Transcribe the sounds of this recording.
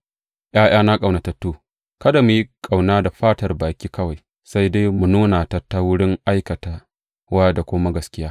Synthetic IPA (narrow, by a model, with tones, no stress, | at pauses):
ʔj̰aː˦ʔj̰aː˦na˦kʼa˨wna˨tɐ˨tːuː˦ | kɐ˦da˨mu˨ji˦kʼa˨wnaː˦da˨ɸaː˦tɐ˨rbaː˨kʲiː˦kɐ˦wa˨j | sa˦jda˦jmu˨nuː˦na˨ta˨tːa˦wʊ˦ɽɪ˦ŋʔa˦jkɐ˨ta˨ | waː˦da˨kʷʊ˦ma˦ɡɐ˨˦skʲɪ˦jaː˦